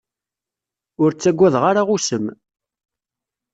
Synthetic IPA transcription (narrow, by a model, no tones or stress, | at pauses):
ʊɾt͡sːæɡʷːæðʁaɾaʁusəm